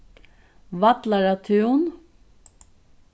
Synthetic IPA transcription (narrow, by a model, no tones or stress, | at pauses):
vat̪laɾat̪ʰʉwn